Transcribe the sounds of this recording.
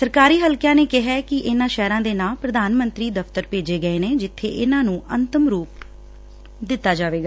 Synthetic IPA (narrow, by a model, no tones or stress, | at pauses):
səɾkaːɾiːɦəlkjãːneːkɪɦɛːkɪʔɪnãːʃɛːɾãːd̪eːnaːpɾəd̪aːnmə̃nt̪ɾiːd̪əft̪əɾpeːd͡ʒeːɡəeːneːd͡ʒɪt̪ʰːḛːʔɪnãːnũːʔənt̪əmɾuːp̚ | d̪ɪt̪ːaːd͡ʒaːʋeːɡaː